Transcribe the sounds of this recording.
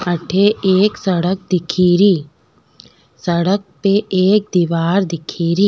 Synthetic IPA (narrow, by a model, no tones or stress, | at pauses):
ɐʈʰeeːksɐɽək̚d̪ɪkʰiːɾiː | səɽək̚peʔeːk̚d̪iʋaːɾd̪ɪkʰiːɾiː